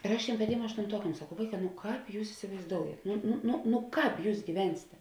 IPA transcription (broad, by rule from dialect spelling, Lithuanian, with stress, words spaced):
ɪr ˈɐʃ ˈtʲeːm pɐˈtʲeːm ɐʃtʊnˈtuɔkɐm sɐˈkɐʊ ˈʋɐɪˌkɑː nʊ ˈkɑːp juːs ɪsʲɪʋɐɪzˈdoːʊjɛt ˈnʊ nʊ nʊ nʊ ˈkɑːp ˈjuːs ɡʲiːˈʋʲɛnʲsʲeːtʲɛ